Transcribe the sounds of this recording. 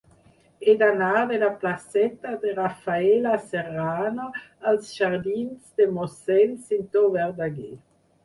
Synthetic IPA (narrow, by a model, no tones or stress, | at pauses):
ed̪anaːdelaplasɛt̪ad̪eʁafaelaseʁaːnoalsʒaʁd̪inzd̪emosɛlsint̪ovɛʁd̪aɡe